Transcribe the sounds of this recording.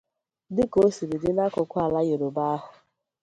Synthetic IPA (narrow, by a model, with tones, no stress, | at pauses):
dɪ˦ko˦si˨dɪ˨dɪ˦na˦kʊ˨kʷʊ˦a˨la˦je˨ɾo˨ba˦a˦ɦʊ˨